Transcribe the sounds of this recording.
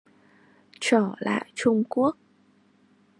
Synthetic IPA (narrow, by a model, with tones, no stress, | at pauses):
t͡ɕəː˧˩la̰ː˧˨jt͡ɕʊ˧ŋ͡mku˦˥ək̚